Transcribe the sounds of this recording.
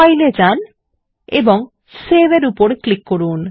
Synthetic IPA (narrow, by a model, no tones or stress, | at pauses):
ajled͡ʑan | ḛboŋ | sebeɾupoɾklikːoɾun